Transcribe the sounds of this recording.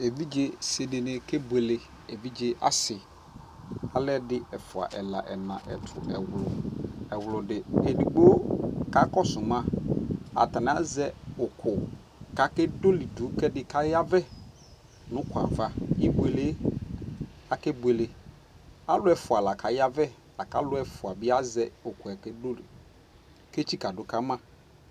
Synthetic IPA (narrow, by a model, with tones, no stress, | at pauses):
e˨vi˦d͡ʒe˦se˨dɪ˨nɪ̃˨kɛ˦bu˦e˨le˦ | e˨vi˦d͡ʒe˦ʔa̰˦sɪ˨ | a˦lɛ˦dɪ˦ɛ˨fʊ˨a̰˨ʔɛ˨la̰˨ʔɛ˨nã̰˨ʔɛ̰˨tʰʊ̰˨ʔɛ˨wlʊ˨ɛ˨wʊ˨lʊ˨dɪ˨e˨di˨ɡ͡bo˦ka˨kɔ˦sʊ˨mã˦a̰˨ta˨n˨a˦zɛ˦ʊ˨kʰʊ˨ | ka˨kɛ˦do˦li˨dʊ˨˦kɛ˦dɪ˨ka˦ja˦vɛ˦ | nʊ̃˦kʊ˨a̰˨va˦ɪ˦be˨le˦ | a˨kɛ˦bu˦e˨le˦ | a˦lʊ˦ɛ˨˦fʊ˨a˨la˨kʰa˨ja˦vɛ˦ | la˨ka˦lʊ˦ɛ˦fʊ˨a˨bɪ˦a˦zɛ˦ʊ˨kʊ˨ɛ˨kɛ˦do˦li˨ | ke˦t͡ɕi˦ka˨dʊ˨˦ka˦mã˦